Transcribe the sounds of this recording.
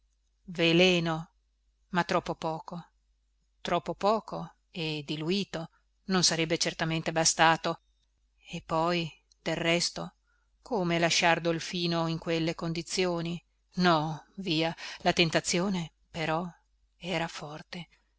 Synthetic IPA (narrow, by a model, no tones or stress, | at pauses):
velɛːno | mat̪ːɾɔpːopɔːko | t̪ɾɔpːopɔːko | ed̪iluiːt̪o | nonsaɾɛbːet͡ʃert̪ament̪ebast̪aːt̪o | epːɔj | d̪̥elrɛst̪o | kʰomelaʃːard̪olfiːnoiŋkwelːekond̪it̪sːjoːni | nɔviːalat̪ent̪at̪sːjoːne | peɾɔ | ɛːɾafɔrt̪e